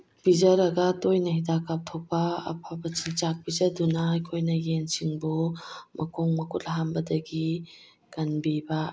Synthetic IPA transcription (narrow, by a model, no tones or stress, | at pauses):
b̥izɐɾaɡatojnahidakːap̚t̪ʰɔk̚ba̰ːpʰabɐt͡ʃʰint͡ʃak̚bizadunajkʰojnajensiŋbumɐkʰɔŋmɐkut̚laɦambɐdɐɡi | kanbiba